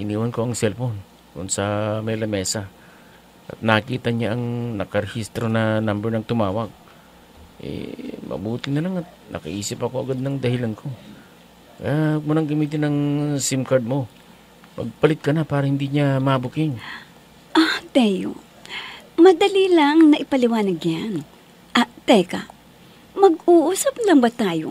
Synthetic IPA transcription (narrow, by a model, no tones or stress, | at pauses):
ʔɪniːwɐnko̞ɐŋsɛlfo̞n | k̪ʊnsɐmɛlɐmɛːsa | ʔɐ̰t̪̚nɐkiːt̪ɐɲaʔɐŋnɐkɐɾɛhist̪ɾo̞nɐnambɛɹnɐŋt̪ʊmaːwɐɡ̚ | ʔɛ̰mɐ̰buːt̪ɪnɐlaŋɐt̪̚nʔɐ̰kɐʔiːsɪpɐko̞ʔɐɡad̪̚nɐŋd̪ɐhɪlankʰo̞ | kɐ̰jamʊnɐŋɡɐmiːt̪ɪnɐŋsɪmkɐɹd̪̚mo̞ | mɐ̰ɡ̚pɐlɪt̪̚kɐnapaːɾɐhɪnd̪iɲamɐbʊkɪŋ | ʔat̪ɛjo̰ | mɐd̪ɐlilaŋnɐʔɪpɐlɪwaːnɐɡjan | ʔɐt̪ɛkɐ | mɐɡuːʔuːsɐp̚lɐŋbɐt̪aːjo̰